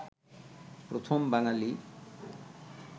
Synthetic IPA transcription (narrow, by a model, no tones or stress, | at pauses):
pɾot̪ʰombaŋali